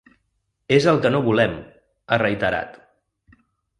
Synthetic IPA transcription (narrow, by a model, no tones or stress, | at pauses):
ezəlˠkənoβulɛm | ərəjt̪əɾa̰t̪